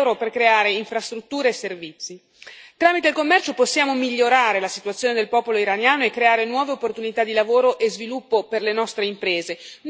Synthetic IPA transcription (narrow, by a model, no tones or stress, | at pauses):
wɾoperkɾeaːɾeiɱfɾast̪ɾut̪ːuːɾeːservit̪sːi | t̪ɾaːmit̪eilkomːɛrt͡ʃoposːjaːmomiʎːoɾaːɾelasit̪uat̪sːjoːned̪elpɔːpoloiɾanjaːnoekːɾeaːɾenwɔːveopːort̪unit̪ad̪ilavoːɾoʔezvilupːoperlenɔst̪ɾeimpɾeːze